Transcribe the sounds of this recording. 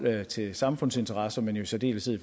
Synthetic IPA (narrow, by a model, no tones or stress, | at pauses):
t͡sʰe̝sɑ̈mfɔ̽n̰se̝nt͡sʰɐʁɑ̈sɐmenjo̝sæd̥e̝̰ːləsʰeð̰ˠf